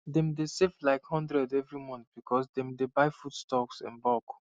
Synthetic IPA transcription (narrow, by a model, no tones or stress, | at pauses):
dɛ̃mdesevlaɪkhɔ̃ndɹɛdɛvɹimɔ̃nθb̥ikʰɔsdɛ̃mdebaɪfutstɔksɛ̰̃nbɔk